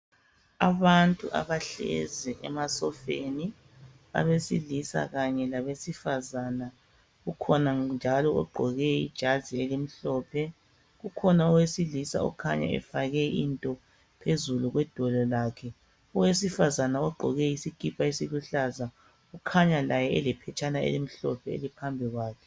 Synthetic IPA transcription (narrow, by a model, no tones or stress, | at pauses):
aβantʼṵʔa̰βaɬɛ̰zɛʔɛ̰masɔfḛni | a̰βesilisa̰ɣaɲɛlaβesifazaːna | ɣukʰɔnand͡ʒʱalɔɔ̰ɡ͡ǃʱɔɣɛḭd̥ʒ̥ʱazielim̩ɬɔːpʰɛ | ɣukʰɔnaɔwesilisa̰ɔ̰kʰa̰ɲa̰ɛ̰faɣɛintʼɔ | pʰezuluɣwɛd̥ʱɔlɔlaːkʰɛ | ɔwesifazanaɔɡ͡ǃʱɔɣɛjisikʼipʰaisiluɬaza | ukʰaɲalajɛɛlɛpʰɛt͡ʃʰʼanaḛlim̩ɬɔ̰pʰɛḛlipʰambʱiɣwaːkʰɛ̥